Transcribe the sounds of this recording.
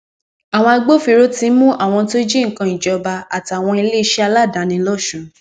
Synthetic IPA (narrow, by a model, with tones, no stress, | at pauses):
a˨w̃ɔ̃˧a˧ɡ͡bo˦fi˧ɾo˦tĩ˧˦mũ˦ʔa˦˨w̃ɔ̃˧to˦d͡ʒi˦ŋ̩˨kã˧i˨d͡ʒɔ˨ba˧a˨ti˨˧a˨w̃ɔ̃˧i˧le˦i˧˦ʃe˦a˧la˦˨dã˨˦nĩ˧lɔ˦˨ʃũ˧